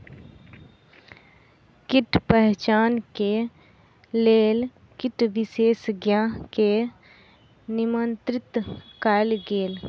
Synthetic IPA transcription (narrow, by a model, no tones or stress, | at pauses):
kɪʈpɛɦt͡ʃaːnke | leːl | kɪʈʋɪʃeːsɡjaːɦke | nɪmənt̪ɾɪt̪kaːɪlɡeːl